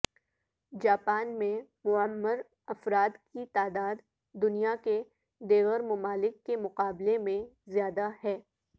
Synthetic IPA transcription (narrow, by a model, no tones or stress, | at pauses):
d͡ʒaːpaːnmẽmʊəmːəɾ | ɐfɾaːd̪kit̪aːd̪aːd̪ː | ʊnijake | d̪eːɣəɾmʊmaːlɪkːemʊqaːblemẽzjaːd̪ahɛː